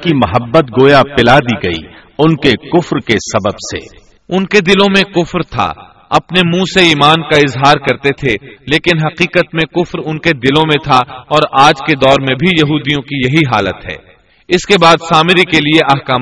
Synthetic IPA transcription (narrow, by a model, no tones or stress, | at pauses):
kimɐɦəbːət̪ɡoːjapɪlad̪iɡɐḭ | ʊnkekʊfɾkesɐbəbsḛː | ʊnked̪ɪlõmẽkʊfɾt̪ʰa̰ | ɐpnemũːseiːmaːnkaɪzɦaːɾkɐɾt̪et̪ʰeleːkɪnɦɐqiːqət̪mẽkʊfɾʊnked̪ɪlõmẽt̪ʰaɔːɾaːd͡ʒked̪ɔːɾmẽbʱijɐɦuːd̪ijõkijɐɦiɦa̰ːlə̰t̪ɦɛ̰ː | ɪskebaːd̪saːmɪɾikelieʔɐɦkaːm